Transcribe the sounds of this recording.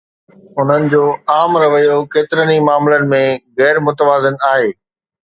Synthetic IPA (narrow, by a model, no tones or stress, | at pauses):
ʊn̤ənɪ̆d͡ʑoːaːmɾɐʋəjokeːt̪ɪɾənimaːmlənɪ̆mẽɣɛːɾmʊt̪əʋaːzɪnaːɦeː